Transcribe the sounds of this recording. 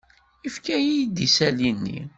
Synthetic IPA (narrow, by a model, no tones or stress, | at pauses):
ifkæjid̪isælinːḭ